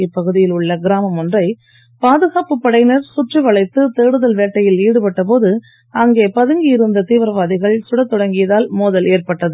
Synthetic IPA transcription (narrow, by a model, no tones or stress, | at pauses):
ɪpːɐɣɯðɪjɪlʊɭːɐɡɪɾaːmɐmɔndrɐɪ | paːðɯɣaːpɯpːɐɽɐɪnɐɾsʊʈriʋɐɭɐɪt̪ːɯt̪eːɽɯðɐlʋeːʈːɐjɪliːɽɯpɐʈːɐpoːðɯ | ɐŋɡeːpɐðɯŋɡɪjɪɾɯnd̪ɐt̪iːʋɐɾɐʋaːðɪɣɐɭsʊɽɐt̪ːɔɽɐŋɡɪjɐðaːlmoːðɐleːrpɐʈːɐðɯ